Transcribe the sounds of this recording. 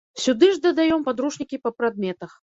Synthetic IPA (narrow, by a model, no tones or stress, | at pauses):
sʲud̪ɨʐd̪ɐd̪ajɔmpad̪ɾuʂnʲikʲipɐpɾad̪mʲɛt̪ɐx